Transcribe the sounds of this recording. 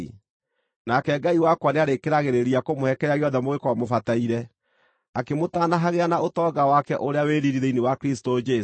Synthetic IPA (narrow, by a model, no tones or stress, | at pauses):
nakɛɡaiwakwaneaɾekeɾaɣeɾeɾiakomohɛkɛɾaɣeɔðɛmoɣekɔɔmofataiɾɛ | akemotaːnaɦaɣeanaotɔɡawakɛʔoɾeaweɾiɾiɾeinewakɾistod͡ʒɛ